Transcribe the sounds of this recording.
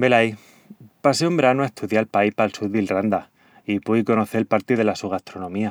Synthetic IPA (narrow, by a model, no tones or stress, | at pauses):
be̞laji | paseumbeɾanuae̞st̪uðjalpaihpalsuɾðilrand̪a | ipuiko̞no̞θe̞lpaɾt̪ið̞e̞lasuɣast̪ɾo̞nõ̞mia